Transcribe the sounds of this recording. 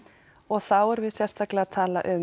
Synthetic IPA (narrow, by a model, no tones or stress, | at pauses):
ɔɣθawɛɾvɪðsjɛst̪aklɪaðt̪ʰaːla̰ʔʏm